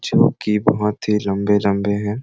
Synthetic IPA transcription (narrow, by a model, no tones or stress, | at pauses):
d͡ʒoːkibɐɦʊt̪ɦilɐ̃mbelɐ̃mbeɦɛ̃ː